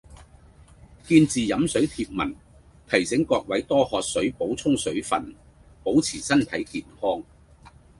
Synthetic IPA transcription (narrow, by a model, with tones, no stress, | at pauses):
kiː˧nt͡siː˨jɐ˨˥msɵ˨˥ɥt̪ʰiː˧p̚mɐ˨˩n | t̪ʰɐ˨˩jsɪ˨˥ŋkɔː˧k̚wɐ˨˥jt̪ɔː˥hɔː˧t̚sɵ˨˥ɥpo˨˥wt͡sʰʊ˥ŋsɵ˨˥ɥfɐ̰˨n | po˨˥wt͡sʰiː˨˩sɐ˥nt̪ʰɐ˨˥jkiː˨˩nhɔː˥ŋ